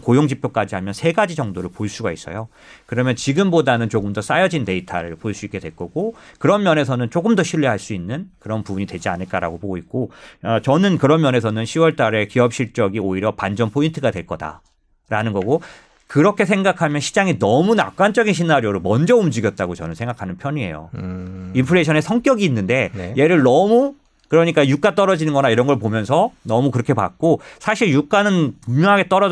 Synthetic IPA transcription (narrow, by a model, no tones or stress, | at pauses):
kojoŋd͡ʑipʰjok͈ad͡ʑiɦamjʌnsʰe̞ɡad͡ʑid͡ʑʌŋdoɾɯɭpoɭs͈uɡais͈ʌjo | kɯɾʌmjʌnt͡ɕiɡɯmbodanɯnt͡ɕoɡɯmdʌs͈ajʌd͡ʑinte̞itʰaɾɯɭpoɭs͈uik͈e̞dwe̞ɭk͈ʌɡokɯɾʌmmjʌne̞sʰʌnɯnt͡ɕ͈oɡɯmdʌɕʰiʎːiɦaɭs͈uinːɯnkɯɾʌnpubuɲitwe̞d͡ʑia̰nɯɭk͈aɾa̰ɡopoɡoik̚k͈oʌt͡ɕʌnɯnkɯɾʌmjʌne̞sʰʌnɯnɕʰiwʌɭt͈aɾe̞kiʌp̚ɕ͈iɭt͡ɕ͈ʌɡioiɾjʌpand͡ʑʌnpʰointʰɯɡadwe̞ɭk͈ʌda̰ | ɾanɯnɡʌɡo | kɯɾʌkʰe̞s̬ʰe̞ŋɡakʰamjʌnɕʰid͡ʑaŋinʌmuna̰p̚k͈ant͡ɕ͈ʌɡinɕ̬ʰinaɾijoɾomʌnd͡ʑʌumd͡ʑiɡjʌt̚t͈aɡot͡ɕʌnɯnsʰe̞ŋɡakʰanɯnpʰjʌɲie̞̰jo̰impʰɯɭeɕʰʌne̞sʰʌŋk͈jʌɡiːnːɯnde̞je̞ɾɯɭnʌmu | kɯɾʌɲik͈ajuk͈at͈ʌɾʌd͡ʑinɯnɡʌnaiɾʌnɡʌɭpomjʌnsʰʌnʌmukɯɾʌkʰepa̰k̚k͈osʰaɕʰiɭjuk͈anɯnpumɲjʌɦaɡe̞t͈ʌɾʌ